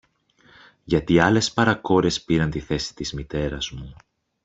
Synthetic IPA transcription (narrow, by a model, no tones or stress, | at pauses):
ʝɐt̪iɐle̞spɐɾɐko̞ɾe̞spiɾɐnt̪iθe̞si̥t̪izmit̪e̞ɾɐzmu